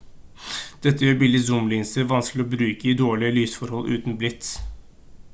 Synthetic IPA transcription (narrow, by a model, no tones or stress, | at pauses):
d̪̥ɛt̪ːəjøːɾbɪlːɪsʊmlɪːnsəʋɑnsklɪɔːbɾʉːkəɪd̪oːɭɪəlyːsfɔɾhɔlʔʉ̰ːt̪n̩blɪt̪